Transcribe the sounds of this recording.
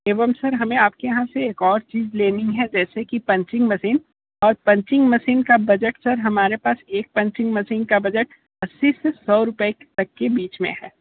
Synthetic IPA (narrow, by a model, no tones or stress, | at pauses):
eːʋəmsɐɾɦɐmẽaːp̚kejɐɦãseeːkɔːɾt͡ʃiːzleːniɦɛd͡ʒɛːsekipɐ̃ɲt͡ʃɪ̃ŋɡmɐsiːn | ɔːɾpɐ̃ɲt͡ʃɪ̃ŋɡmɐsiːnkabɐd͡ʒəʈsɐɾɦɐmaːɾepaːseːk̚pɐ̃ɲt͡ʃɪ̃ŋɡmɐsiːnkabɐd͡ʒəʈ | ɐsːisesɔːɾʊpet̪ɐkːebiːt͡ʃmḛ̃ɦɛː